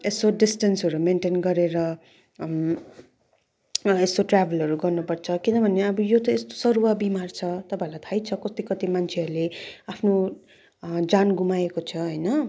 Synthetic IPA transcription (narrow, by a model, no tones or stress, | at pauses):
esoɖisʈensʌɾumenʈenɡʌɾeɾʌ | esoʈrabʱelʌɾuɡʌrnupʌrt͡sʰʌkinʌbʱʌneʌbʌjot̪ʌest̪o̥sʌɾuwabimart͡sʰʌt̪ʌpãelajt̪ʰajt͡sʰʌkʌst̪ikʌt̪imant͡sʰeʌɾuleapʰno | d͡zanɡumaekot͡sʰʌɦʌjnʌ